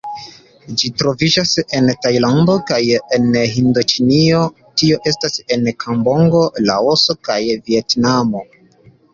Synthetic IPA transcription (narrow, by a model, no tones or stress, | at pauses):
d͡ʒitɾo̞vid͡ʒase̞ntajlando̞kajenɦindot͡ʃinio̞ | tio̞ʔe̞stase̞nkʰambo̞ŋɡo̞la̰oso̞kajvie̞tnamo̞